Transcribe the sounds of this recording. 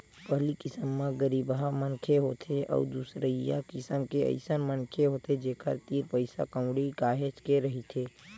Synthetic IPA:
pəɦlikɪsəmːãɡəɾiːbamənkʰeɦoːt̪ʰeʔɔ̰ːd̪usɾəija̰kɪsəmkeə̰ɪsənmənkʰeɦoːt̪ed͡ʒeːkʰə̰ɾt̪iːɾpəɪsa̰kə̃ʊɽiɡaːɦet͡ʃkeɾəɦit̪ʰeː

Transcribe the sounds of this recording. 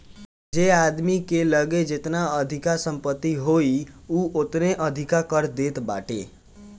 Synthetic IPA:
d͡ʒead̪mikeləɡed͡ʒet̪naəd̪ʱikasəmpət̪ːiɦoiuʔot̪neʔəd̪ʱikakəɾd̪et̪ba̰ʈḛ

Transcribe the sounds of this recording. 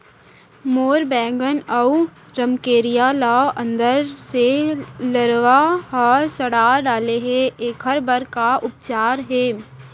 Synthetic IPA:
moːɾbɛ̃ːŋɡənɐu | ɾəmkeːɾijalaə̃nd̪əɾseləɾʋaɦɔːsəɽaːɖaːleɦɛeːkɦəɾbəɾkaʔʊp̚t͡ʃaːɾɦɛː

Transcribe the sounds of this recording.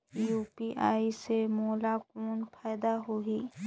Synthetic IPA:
juːpiʔaːisemɔːlakoːnpʰaːjd̪aɦoɦiː

